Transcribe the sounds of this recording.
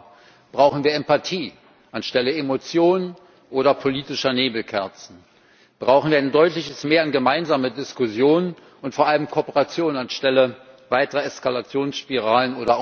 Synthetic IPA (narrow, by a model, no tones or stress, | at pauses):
b̥ʁaʊχn̩viːɐɛmpatʰiː | ʔanʃtɛləemot͡sjoːnən | ʔoːɾɐpʰoliːtɪʃɐneːbl̩kʰɛɐt͡sn̩ | b̥ʁaʊxχ̩viːɐaɪndɔʏtlɪçəsmeːɐanɡəmaɪnzaːmədɪskʊzjoːnən | ʔʊntfoːɐʔaləmkʰoːɐpəʁat͡sjoːnnanʃtɛləvaɪtəʁəɛskalat͡sjoːnsʃpiʁaːlənoːɾɐ